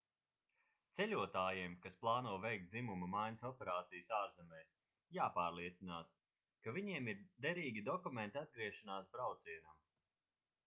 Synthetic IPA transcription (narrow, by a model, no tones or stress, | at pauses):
t̪sɛlʲuɔt̪aːjiɛmkasplˠaːnuɔvɛjkt̪̚imumɐmajnʲsɔpeɾaːt̪sijəsaːɾzɛmɛjs | jaːpaːɾlˠiɛt̪sinaːs | kavʲiɲiɛmiɾd̪ɛɾiːɡʲid̪ɔkument̪ʲiad̪̚ɡɾiɛʃanaːsbɾawt̪siɛnam